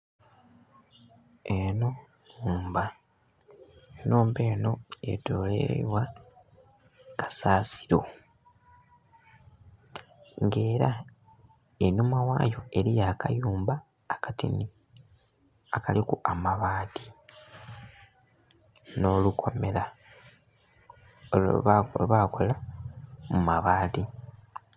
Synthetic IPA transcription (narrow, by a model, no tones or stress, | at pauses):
enonuːmba | enuːmbe̞ːno̞ḛto̞lḛwa | kḁsaːsi̥ɾo̞̰ | ŋɡe̞ːɾa | enumawa̰ːjo̞e̞ɾijakajuːmbaː | katḭni | akalikuʔamaβaːti | no̞ːlukʰo̞me̞la | βako̞la | mumaβaːti